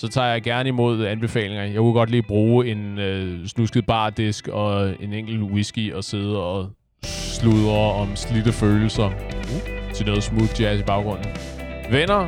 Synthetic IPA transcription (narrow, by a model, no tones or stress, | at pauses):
sɒ̽t͡sʰɑ̰̈ːjɑ̈ɪɡ̥æɐnəimo̝ð̞ˠænb̥e̝fɛ̰ːle̝ŋɐjɑ̈ɪkʰuɡ̥ɒ̽d̥liːb̥ʁuːe̝nøsnusɡ̥ð̩ˠb̥ɑ̈ːd̥esɡ̥ɒ̽e̝neŋ̰ɡ̥l̩wisɡ̥iɒ̽se̝ð̞ˠɒ̽ | sluðˠɐɒ̽mslidəføːl̩sɐ | t͡sʰe̝lnɔ̽ːð̩ˠsmuðd̥æsib̥ɑ̈ʊɡ̥ʁɔ̽n̰n̩ʋenɐ